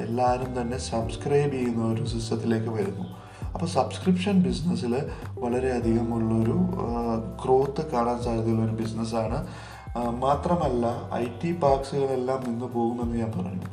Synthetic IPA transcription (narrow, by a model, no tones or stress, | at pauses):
e̞lːaːɾumt̪ɐnːe̞sɐbskrɐjbiunːɐoɾusisɐt̪ːile̞ːkːɨʋɐɾunːu | ɐpːoːsɐbskripʂɐnbisnɐsilʋɐɭɐɾe̞ɐd̪ʱiɣɐmuɭːɐo̞ɾu | kro̞ːt̪ːɨkaːɳaːnsaːjɾɐðiɐoɾubisnɐs̬aːɳɨ | maːt̪rɐmɐlːɐɐ̰jtːipaːksɨɣɐɭe̞lːaːmninːɨpo̞ːɣunːenːɨɲaːnpɐrɐ̰juṵ